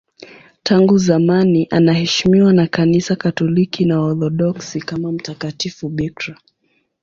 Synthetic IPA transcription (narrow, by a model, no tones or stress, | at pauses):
taŋɡuzamaniʔanahɛʃimiwanakanisakatɔlikinaɔθɔɗɔksikamam̩takatifuɓikɾa